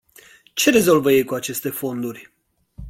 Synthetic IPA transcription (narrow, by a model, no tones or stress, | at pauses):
t͡ʃe̞ɾe̞zo̞lvəje̞jkuat͡ʃe̞st̪e̞fo̞nd̪urʲ